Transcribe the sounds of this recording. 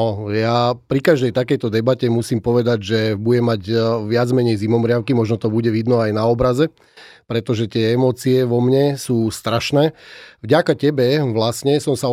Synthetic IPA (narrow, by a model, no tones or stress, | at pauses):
ɔjapɾikaʒd̪ɛjt̪akɛjt̪ɔd̪ɛbacɛmusiːmpɔʋɛd̪aɟʒɛbuɟɛmːaɟʋɪad͡zmɛɲɛjzimɔmɾɪaʊkimɔʒnɔt̪ɔbuɟɛʋid̪nɔajnaɔbɾazɛ | pɾɛt̪ɔʒɛt̪ɪɛɛmɔːt͡siɛʋɔmɲɛsuːst̪ɾaʃnɛːvɟakacɛbɛʋlasɲɛsɔmsa